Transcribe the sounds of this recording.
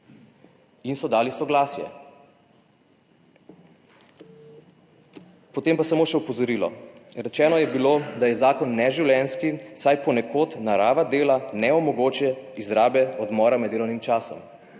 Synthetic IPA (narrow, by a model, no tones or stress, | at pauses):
insɔd̪aːlisɔɡlaːsjɛ̰ | pɔt̪eːmpasamoːʃɛupɔzɔɾilɔ̰ɾɛt͡ʃɛːnɔjɛbiloːd̪ajɛzaːkɔnːɛʒiwljɛnskisajpɔnɛkoːt̪naɾaːʋad̪eːlanɛɔmɔɡoːt͡ʃjɛizɾaːbɛɔd̪mɔːɾamɛd̪eːlɔwnimt͡ʃaːsɔ̰m